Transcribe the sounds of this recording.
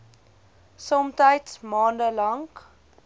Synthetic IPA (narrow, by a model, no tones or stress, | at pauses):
sɔmtəjtsmɑːndəlɐŋk